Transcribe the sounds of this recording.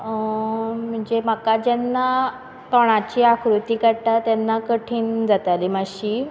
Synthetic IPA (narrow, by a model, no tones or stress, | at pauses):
m̤əɳd͡zem̤akad͡ʑɛnːa | t̪ɔɽ̃at͡ɕiːakʰɾut̪iːkəɽʈ̪at̪janːakəʈʰiːnd͡zat̪alimaɕiː